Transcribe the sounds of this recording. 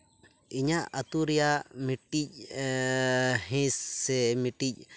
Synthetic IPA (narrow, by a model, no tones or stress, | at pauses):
iɲaʔət̪uɾijamiʈic̚ | ɦɛ̃sːɛmiʈic̚